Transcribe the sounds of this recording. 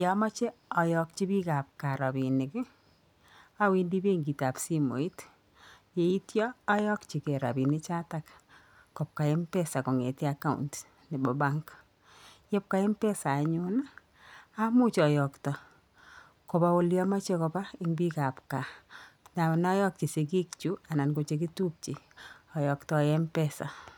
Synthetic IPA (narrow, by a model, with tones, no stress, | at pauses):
ja˨ma˦t͡ʃe˦ɔ˨jɔ˨k̚t͡ʃi˦bi˦ka˨p̚ka˨ɾa˨bi˨nɪ˨kɪ˦ | a˦wi˦ndi˦be˦ŋɡi˨ta˨psi˦mo̰˨i˦t | je˨i˦tjɔː˦jɔ˦kt͡ʃi˨ke˨ɾa̰˨bi˨ni˦t͡ʃa˦tak | ko˨p̚ka˨e˦mpe˦sa˨ko˨ŋe˨ti˦a˦ka˦ṵnt | ne˨bɔ˨ba˦ŋk | jɛ˦p̚ka˦ɛ˦mpɛ˦saː˨ɲʊna | a˦mu˦t͡ʃɔ˨jɔktɔ˨ | koba˦wo˦ljɔma˦t͡ʃe˦kɔpa˦i˦ŋbi˦ka˨pka˨na˨nɔ˦jɔ˦k̚t͡ʃi˨se˨ki˦k̚t͡ʃu˦a˨na˨nko˨t͡ʃek̬i˦tu˦p̚t͡ʃi˨ | ɔ˨jɔktɔjɛ˦mpɛsa̰˨